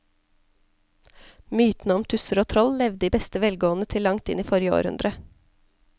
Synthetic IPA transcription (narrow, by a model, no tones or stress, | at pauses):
myːt̪nəɔmt̪ʰʉsəɾoːt̪ʰɾɔllɛʋd̪iːbɛst̪əʋɛlɡoːn̩ət̪ʰɪlːɑŋt̪ɪ̰niːfɔɾjəo̰ːɾhʉ̰nd̪ɾə